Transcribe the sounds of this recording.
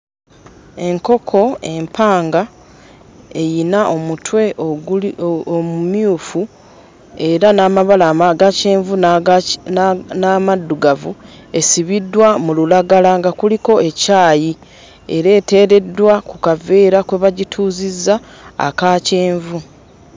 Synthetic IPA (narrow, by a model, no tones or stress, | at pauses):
e̞ŋko̞kʰo̞e̞mpʰaːŋɡa | e̞jinaʔo̞mutwe̞ | mumjuːfu | e̞ɾanaːmaβalaaɡaceːɱvu | namadːuɡavu | e̞siβidːwamululaɡalaŋɡakuliko̞e̞caːji | e̞̰ɾe̞ːte̞ːɾe̞dːwakukaveːɾakwe̞βaɟitʰuːzizːa̰ː | kaːce̞ːɱvu